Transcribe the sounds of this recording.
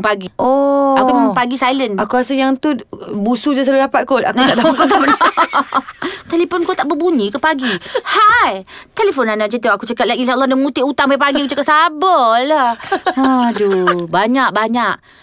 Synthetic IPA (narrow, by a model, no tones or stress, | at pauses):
paɡioakumpaɡisajlənakuɾasəjaŋt̪ubusud͡ʒasaludapat̪̚koa̰kuaʔakot̪aməa | t̪eleponkot̪aʔbəbuɲĩkəpaɡihajt̪elefonanat͡ʃət̪̬əakut͡ʃakat̪̚lainsalːɔdamut̪ɪʔut̪aŋbajpaɡkiakut͡ʃakat̪sabəlaadubaɲaʔ̚baɲaʔ